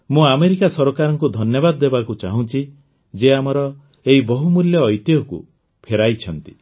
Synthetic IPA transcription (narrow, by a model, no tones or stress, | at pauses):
mũameɾikasɔɾɔkaɾɔŋkud̪ʱɔnjɔbad̪ɔːebakut͡ʃaɦũt͡ʃʰi | d͡ʒeamɔɾɔ | eɦibɔɦumuljɔːjt̪jɔkṵ | pʰeɾajt͡ʃʰɔnt̪i